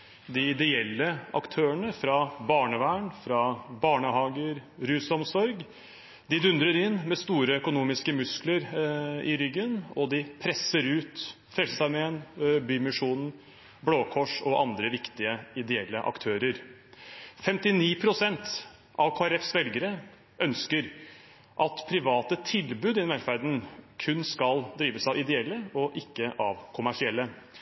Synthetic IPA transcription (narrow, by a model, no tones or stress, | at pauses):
d̪ɪɪd̪ɛɛlːəɑ̰kt̪ʰøːəɳəfɾɑbɑːɳəʋæːɳfɾɑbɑːɳəɦɑːɡəɾɾʉːsɔmsɔɾɡ | d̪ɪd̪ʉnd̪ɾəɾɪnːmɛst̪uːɾəœkʊnuːmɪskəmʉskləɾɪ̰ɾʏɡːənɔd̪ɪpʰɾɛsːəɾʉːt̪ | fɾɛlsəsæmeːnbyːmɪʂuːnn̩ | bloːkʰɔʂɔʔɑnd̪ɾəʋɪkt̪ɪəɪd̪ɛɛlːəʔɑ̰kt̪ʰøːɾəɾ | fɛmt̪ɪniːpʰɾʊsɛnt̪ | ʔɑʋkʰoːæɾɛfsʋɛlɡəɾə | ʔœnskəɾ | ʔɑt̪pʰɾɪʋɑːt̪ət̪ʰɪlbʉːd̪ɪnmʋæɾfæɾd̪n̩kʰʉnːskɑld̪ɾiːʋəsɑʋɪd̪ɛɛlːəɔʔɪkːəʔɑʋkʰʊmæʂɪɛlːə